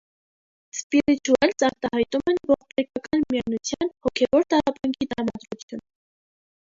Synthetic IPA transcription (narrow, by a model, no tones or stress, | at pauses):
spiɾit̪uɛlsɑɾt̪ɑhɑjt̪umɛnvɔʁp̪ɛɾkɑkɑnmijɑɾnut͡sʰjɑnhɔkʰɛvɔɾt̪ɑɾɑpɑŋɡʰid̪ɾɑmɑd̪ɾut͡sʰjun